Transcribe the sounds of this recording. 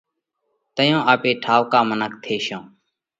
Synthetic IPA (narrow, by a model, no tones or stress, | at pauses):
t̪əjõːʔaːpeːʈʰaːʋkaːmənək̚t̪ʰeːʃõː